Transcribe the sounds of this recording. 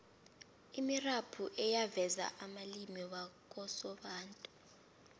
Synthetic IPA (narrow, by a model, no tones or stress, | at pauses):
imirapʰuʔɛjavɛza̰ʔamalimiɓak̬ʼɔsɔɓaːntʼu̥